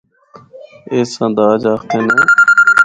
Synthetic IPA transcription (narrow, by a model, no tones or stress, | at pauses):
eːsãːnd̪aːd͡ʒaːxt̪ẽːneː